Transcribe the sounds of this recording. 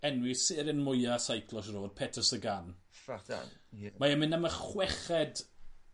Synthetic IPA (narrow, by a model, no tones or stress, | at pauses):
ɛnwɪsɪɾɪnmʊjasajkʰlˠɔʃroːd̥̚pʰɛtʰəsəɡan̰ | maɛmɪnaməχwɛχɛd